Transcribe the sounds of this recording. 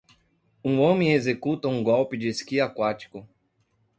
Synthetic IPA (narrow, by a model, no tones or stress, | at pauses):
ũõmẽj̃ezekut̪ɐũɡɔwpɪd͡ʒɪeskiakwat͡ʃi̥kʊ